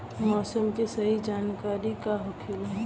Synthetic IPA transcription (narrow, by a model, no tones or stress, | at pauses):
mɔːsəmkisɐɦid͡ʒaːnkaːɾikaɦʊkʰɪlɦɛ̃